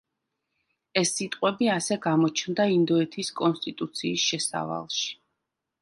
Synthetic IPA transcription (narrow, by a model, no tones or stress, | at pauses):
ɛsːit̪ʼqʼwɛbiasɛɡamɔt͡ʃʰnd̪aind̪ɔɛt̪ʰiskʼɔnst̪ʼit̪ʼut̪sʰiːsʃɛsa̰va̰lˠʃi̥